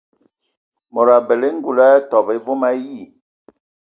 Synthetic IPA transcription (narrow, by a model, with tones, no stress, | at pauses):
mɔ˨ɾa˨bɛ˨le˦ŋ̩˦ɡu˨la˦tɔ˨be˨˦vo˦ma˦ji˦˨